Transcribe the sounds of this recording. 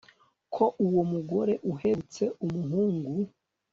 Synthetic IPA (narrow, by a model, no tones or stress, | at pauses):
kʰo̞ʔuwomuɡo̞ɾe̞ʔuhe̞ut͡se̞ʔumuɦuːŋɡu